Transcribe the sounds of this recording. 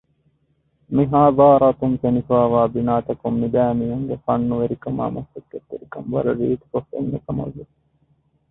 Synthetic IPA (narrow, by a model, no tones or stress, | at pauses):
miɦaːðɑːɾɑt̪uŋfenifaːʋaːbinaːt̪ɐkumːibæːmijɐŋɡefɐnːuʋeɾikɐma̰ːmɐsːɐkːet̪ːeɾikɐmʋɐ̰ɾɐɾiːt̪i̥kofḛnːekɐmɐ̰ʋe